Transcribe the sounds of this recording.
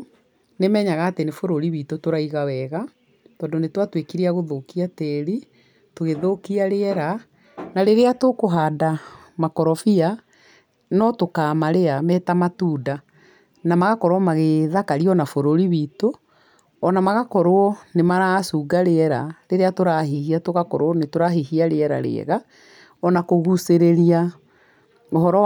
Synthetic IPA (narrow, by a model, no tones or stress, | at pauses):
nemɛːɲaɣaːtenefoɾoɾiβitotoɾaiɣawɛɣa | tɔːndonetwatwekiɾiaɣoðokiatɛɾi | toɣeðokiaɾeɛɾa | naɾeɾeatokoɦaːda | makɔɾɔfia | nɔtokaːmaɾeamɛtamatuːda | namaɣakɔɾwɔmaɣeðakaɾiɔnafoɾoɾiβiːto | ɔnamaɣakɔɾoɔnemaɾasuːɡaɾeɛɾa̰ɾeɾeatoɾahihiatoɣakɔɾwɔnetoɾaɦihiaɾeɛɾa̰ɾḛɛ̰ɣa | ɔnakoɣuseɾeɾia | oɦɔɾɔ